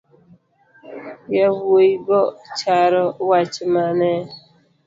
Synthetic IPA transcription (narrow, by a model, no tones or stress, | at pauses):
jaβoibɔt͡ʃaɾɔwat͡ʃimanɛ